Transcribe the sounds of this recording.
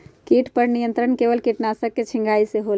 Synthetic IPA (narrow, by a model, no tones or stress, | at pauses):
kiʈʰpəɾnijənt̪ɾəɳkeʋəlkiʈnasəɡ̚kːet͡ʃʰĩŋɡʱaiseɦol